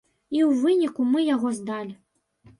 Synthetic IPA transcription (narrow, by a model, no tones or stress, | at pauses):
iwvɨnʲikumɨjaɣɔzd̪alʲi